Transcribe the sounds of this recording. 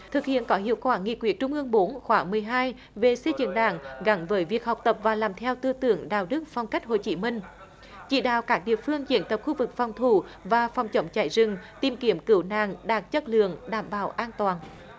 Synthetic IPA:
t̪ʰɨ˨˩k̚hḭ˧˨ənkɔ˨˦hḭ˧˨əwkwaː˧˩ŋḭ˨˩kwi˨˩ət̚t͡ɕʊ˧ŋ͡mʔɨ˧əŋɓo˨˦nxwaː˨˦ŋmɨ˨˩əjɦaː˧j | ve˨˩se˧zɨ̰˧˥ŋɗa̰ː˧˩ŋɣa˨˦nvəː˨˦jvi˨˩ək̚ha˨˩wk͡p̚t̪ə˨˩p̚vaː˨˩laː˨˩mt̪ʰɛ˧wt̪ɨ˧t̪ɨ̰˧˩əŋɗa̰ː˨˩wɗɨ˦˥ək̚fɔ˧wŋ͡mka˦˥jk̚ɦo̰˧˨jt͡ɕi˨˦mï˧ŋ̟ | t͡ɕḭ˧˩ɗa̰ː˧˨wkaː˦˥k̚ɗḭ˧˨əfɨ˧əŋt͡ɕḭ˧˦ənt̪ə˨˩p̚xu˧vɨ˨˩k̚fɔ˨˩wŋ͡mt̪ʰu˧˩vaː˨˩fɔ˨˩wŋ͡mt͡ɕə˨˦wŋ͡mt͡ɕaː˧˩jzɨ˨˩ŋt̪i˨˩mki˨˩˦əmkɨ˧˩wna̰ː˨ŋɗaː˨˩k̚t͡ɕə˦˥t̚lɨ̰˧˨əŋɗaː˧˩mɓa̰ː˧˩wʔaː˧nt̪waː˨˩n

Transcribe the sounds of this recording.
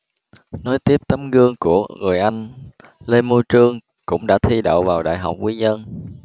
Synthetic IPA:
nɔ˨˦jt̪i˦˥əp̚t̪ə˨˦mɣɨ˧əŋku˧˩əŋɨ˨˩əjʔa˧jŋ̟ | le˧mo˧t͡ɕɨ˧əŋ | kʊ̰˧˥ŋ͡mɗa̰ː˧˥t̪ʰi˧ɗo̰˧˨wvaː˨˩wɗa̰ː˧˨jɦa˨˩wk͡p̚kwi˨˦ɲə˧n

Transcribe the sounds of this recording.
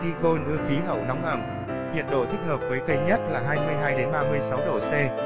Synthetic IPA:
i˧ko˧nʔɨ˧əfi˨˦ɦə˧˩wnɔ˨˦wŋ͡mʔə˧˩ŋ | hḭ˧˨ənɗo̰˧˨t̪ʰi˦˥k̚həː˨˩p̚vəː˨˦jkə˧jɲə˦˥t̚laː˨˩ɦaː˧jmɨ˧əjɦaː˧jɗe˨˦nɓaː˧mɨ˧əjsa˨˦wɗo̰˧˩sɛ˧

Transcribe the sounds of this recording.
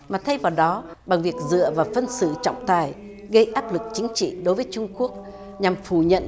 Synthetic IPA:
maː˨˩t̪ʰə˧jvaː˨˩wɗɔ˨˦ | ɓa˨˩ŋvi˨˩ək̚zɨ̰˧˨əvaː˨˩fə˧nsɨ̰˧˩˨t͡ɕɔ̰˧˨wŋ͡mt̪aː˨˩j | ɣə˧jʔaː˦˥p̚lɨ˨˩k̚t͡ɕï˨˦ŋ̟t͡ɕḭ˧˨ɗo˨˦jvəː˨˦jt͡ɕʊ˧ŋ͡mku˦˥ək̚ | ɲa˨˩mfu˧˩ɲə̰˧˨n

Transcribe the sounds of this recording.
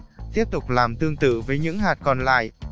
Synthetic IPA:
t̪i˦˥əp̚t̪ʊ˨˩k͡p̚laː˨˩mt̪ɨ˧əŋt̪ɨ̰˧˨vəː˨˦jɲɨ̰˧˥ŋɦaː˨˩t̚kɔ˧nla̰ː˧˨j

